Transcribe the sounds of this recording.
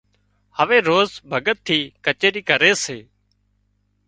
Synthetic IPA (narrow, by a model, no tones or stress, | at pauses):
həʋeːɾoːzbʱəɡət̪ʰːiːkət͡ʃeːɾiːkəɾeːseː